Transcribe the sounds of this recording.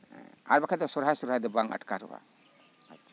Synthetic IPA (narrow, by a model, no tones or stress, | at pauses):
a̰ɾbakʰad̪ɔsɔɾɦasɔɾɦad̪ɔbaŋa̰ʈkaɾɔ̰ba̰ | atːt͡ʃa